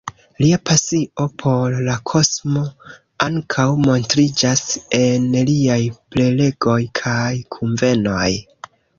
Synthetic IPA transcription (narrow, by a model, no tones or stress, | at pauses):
liapasio̞pʰo̞ɾːakʰo̞smo̞ | aŋkʰawmo̞ntɾid͡ʒase̞nliajplele̞ɡo̞jkʰajkʰuɱve̞no̞j